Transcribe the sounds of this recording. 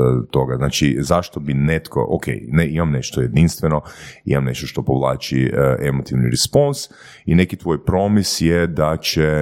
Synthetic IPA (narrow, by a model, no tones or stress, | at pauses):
t̪o̞ɡaznaːt͡ʃizaʃt̪o̞binet̪ko̰ʔo̰kʰḛjneimamne̞ʃt̪oje̞d̪inst̪ʋeno̞ḭmamne̞ʃt̪oʃt̪o̞poʋlˠaːt͡ʃiʔemot̪iʋniɾespons | inekit̪ʋoːjpɾo̞misjɛd̪at͡ɕe